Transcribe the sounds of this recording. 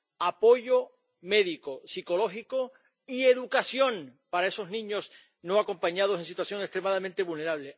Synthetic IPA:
apo̞ʝo | me̞ðiko̞siko̞lo̞ɦiko | ie̞ðukasjõ̞ŋpaɾae̞so̞znĩɲo̞s | no̞ako̞mpaɲað̞osensit̪wasjo̞ŋe̞st̪ɾe̞maðamẽnt̪e̞βulne̞ɾaβle̞

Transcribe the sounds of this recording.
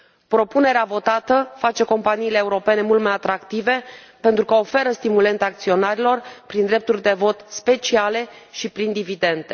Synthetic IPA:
pɾo̞pune̞ɾeavo̞t̪at̪əfat͡ʃe̞ko̞mpaniːle̞ːuɾo̞pe̞ne̞mult̪majat̪ɾakt̪ive̞ | pe̞nt̪ɾukəo̞fe̞ɾəst̪imule̞nt̪aːk̚t̪sio̞naɾilo̞rpɾind̪ɾe̞p̚t̪urʲd̪e̞vo̞t̪spe̞t͡ʃiale̞ʃipɾind̪ivid̪e̞nd̪e

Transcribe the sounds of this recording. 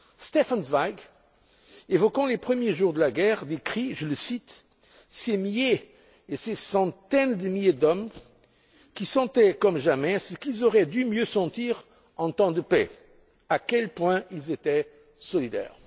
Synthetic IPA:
st̪efanzvaɡ | evɔkɑ̃lepχəmjeʒuʁd̪əlaɡɛʁd̪ekχiʒələsit̪ | semije | esesɑ̃t̪ɛnd̪əmiljed̪ɔm | kʲisɑ̃t̪ɛkɔmʒamɛsəkilzɔʁɛd̪ymjøsɑ̃t̪iʁ | ɑ̃t̪ɑ̃d̪əpɛ̰ | akɛlpwɛ̃ilzet̪ɛ | sɔlid̪ɛ̰ʁ

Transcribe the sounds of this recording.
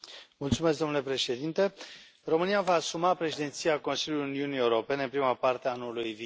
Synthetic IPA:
mult̪sumesk̚d̪omnule̞pɾe̞ʃe̞d̪int̪e̞ | ro̞mɨnijavaːsumapɾe̞ʃid̪et̪sijako̞nsiljʲuliuniunie̞uɾo̞pe̞neɨnpɾimapart̪eaanulujvi

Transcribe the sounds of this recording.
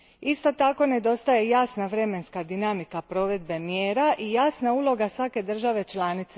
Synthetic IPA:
ist̪o̞t̪ako̞ne̞d̪o̞st̪aje̞jaːsnaʋɾe̞me̞nskad̪inamikapɾo̞ʋe̞d̪be̞mjeːɾaʔijaːsnauːlˠo̞ɡasʋake̞d̪r̩ʒaʋe̞t͡ʃlˠaːnit̪se

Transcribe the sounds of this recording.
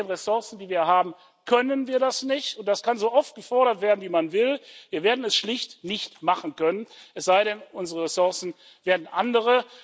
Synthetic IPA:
nʁɛsʊɐsn̩diːviːɐɦaːbm̩ | kʰœnənviːɐɾasnɪçtʊntd̥askanzoːʔɔft̚ɡ̥əfɔɐɾɐtv̥eːɐdn̩viːmanvɪlviːɐveːɐdn̩ɛsʃlɪçtnɪçtmaχn̩kœnənʔɛsz̥aɪɾɛnʔʊnzəʁəʁɛsʊɐsn̩ | veːɐdn̩ʔandəʁ̞ə

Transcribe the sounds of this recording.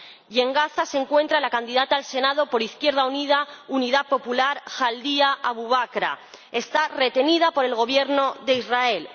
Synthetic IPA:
je̞ŋɡaθase̞ŋkwe̞nt̪ɾalakand̪iðat̪aːlse̞nað̞o̞po̞ɾiθkjeɾð̞auniðauniðapo̞pulaɾxald̪iaʔaβuβ̞akɾa̰ | e̞st̪are̞t̪e̞niðapo̞ɾe̞lɣo̞β̞je̞ɾno̞ðe̞izrae̞l

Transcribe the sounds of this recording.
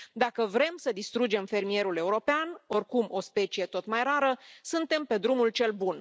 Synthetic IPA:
d̪akəvɾe̞msəd̪ist̪ɾud͡ʒe̞mfe̞rmije̞ɾule̞uɾo̞peano̞rkumo̞spe̞t͡ʃije̞t̪o̞t̪majɾaɾəsɨnt̪e̞mpe̞d̪ɾumult͡ʃe̞lbun

